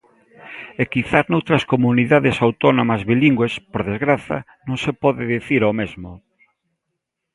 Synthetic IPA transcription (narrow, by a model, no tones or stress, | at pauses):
ekiθaznowt̪ɾɐskomuniðaðesawt̪ɔnomɐzβiliŋɡwespoɾðezɣɾaθɐ̰ | nõŋsepɔðɪðiθiɾomezmʊ